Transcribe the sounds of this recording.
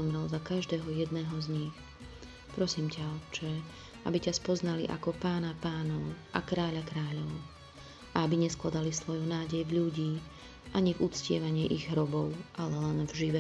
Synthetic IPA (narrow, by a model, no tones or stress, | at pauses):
ɔmɾɛlzakaʒd̪ɛːɦɔjɛd̪nɛːɦɔzɲix | pɾɔsiːmcaɔt͡ʃɛ | ʔa̰bicaspɔznalḭʔa̰kɔpaːnapaːnɔʊʔa̰kɾaːʎakɾaːʎɔʊ | ʔaabiɲɛsklad̪alisʋɔjunaːɟɛjvʎuɟiː | ʔaɲivut͡scɪɛʋaɲɪɛʔiɣɦɾɔbɔʊʔalɛlɛnvʒiʋɛ